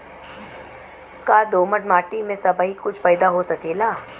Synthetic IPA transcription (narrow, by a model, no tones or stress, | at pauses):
kaːd̪oːməʈmaːʈimẽsɐbəɦikʊt͡ʃʰpɛːɪd̪aɦosɐkeːlaː